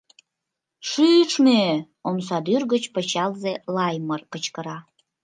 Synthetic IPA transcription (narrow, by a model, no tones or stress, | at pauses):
ʃyt͡ʃme | oms̬ɑd̪yrɣət͡ɕpə̆t͡ɕɑlzelɑjmərkət͡ɕkəɾɑ